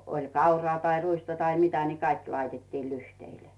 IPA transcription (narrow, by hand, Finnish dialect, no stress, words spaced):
olʲ kɑurɑː tɑi ruistɑ tɑi mitæ ni kɑik lɑitetːiː lyhteile̥